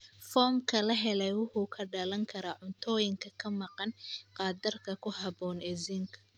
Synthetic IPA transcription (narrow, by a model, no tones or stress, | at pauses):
fɔːmkʰɐlɐɦɛlɛjwʊħukʰɐɖɐlɐŋkʰɐɾaːʕʊnt̪ʰɔːjɪŋkʰɐkʰɐmɑqɑnqɑːd̪ɐrkʰɐkʰʊɦɑbɔːnɛziŋkʰɐ